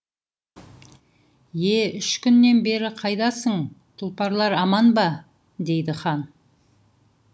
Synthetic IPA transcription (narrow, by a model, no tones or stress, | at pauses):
je̞ʏʃkʲʏnːe̞nbe̞ɾɪqʰɑjd̪ɑsəɴt̪ʰʊlˠpɑɾlˠɑɾɑmɑnbɑ | d̪e̞jd̪ɪχɑn